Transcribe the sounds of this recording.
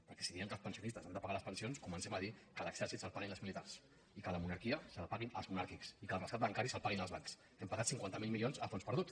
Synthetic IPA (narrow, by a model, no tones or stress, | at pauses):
pəɾkɛ̥siðiəŋkəlˠspənsiunist̪əzand̪əpaɣaləspənsionskumənsɛməðikələɡ̥z̥ɛɾsit̪səlˠpaɣinəlzmilit̪aɾs | ikələmunaɾkiəsəlapaɣinə̰lˠzmunaɾkiksikəlˠrəskat̪bəŋkaɾisəlˠpaɣinəlzβaŋks | ɛmpəɣat̪siŋkwant̪əmilˠmilionzəfonspəɾðut̪